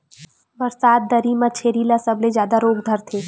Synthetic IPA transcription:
ʋɐɾsaːt̪̚d̪ɐɾiːmat͡ʃʰeːɾilasɐblezjaːd̪aɾoːɡd̪ʱəɾt̪ʰeː

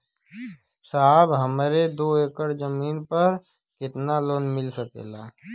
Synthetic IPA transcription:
saɦbɦəmɾed̪oːeːkəɾd͡ʒəmiːnpəɾ | kɪt̪naloːnmɪlsəkḛlaː

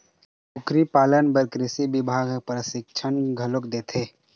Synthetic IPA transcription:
pʊkɾipaːlənbəɾkɾɪsibɪbʱaːɡpɾəsɪk̚t͡ʃʰənɡʱəlokd̪eːt̪ʰeː

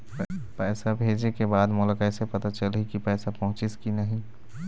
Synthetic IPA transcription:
pɛːsabʱeːd͡ʒekebaːd̪mʊləkɛsepət̪at͡ʃəlɦikipɛːsapɔɦʊ̃t͡ʃɪskinəɦĩ

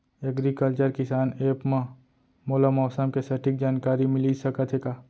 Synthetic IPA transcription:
ɛɡɾikəlt͡ʃəɾkɪsaːneːpmã | moːlamɔːsəmkesɐʈɪk̚d͡ʒaːnkaːɾimɪlisɐkət̪ʰeːɡaː

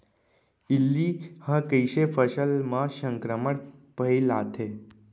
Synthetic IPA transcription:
ilːihəkəjɕefəsəlməsəŋkɾəməɽpəjlat̪ʰe

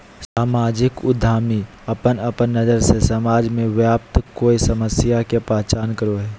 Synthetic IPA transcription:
saːmaːd͡ʒɪkʊd̪ʱaːmi | ɐpənɐpənːəzəɾsesəmaːd͡ʒmẽʋjaːpt̪koːisəməsjakepɾaːt͡ʃaːnkəɾoɦɛː

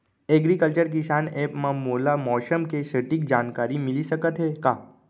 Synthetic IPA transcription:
eːɡɾikəlt͡ʃəɾk̬isaːneːpmãmoːlamɔːʃəmkesəʈɪk̚d͡ʒaːnkaːɾimɪlisɐkət̪ɦɛːkaː

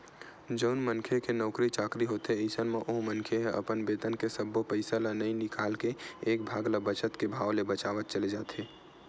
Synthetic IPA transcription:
d͡ʒəʊnmənkʰekenɔːkɾit͡ʃaːkɾiɦoːt̪eeɪsənmẽʔoɦmənkʰeɦɛ̃ɐ̰pənbeːt̪ənkesəbːopəɪsalanɐĩnɪkʰaːlkeeːk̚bʱaːɡlabət͡ʃət̪kebʱaːwlebət͡ʃaːʋət̪̚t͡ʃəled͡ʒaːt̪eː

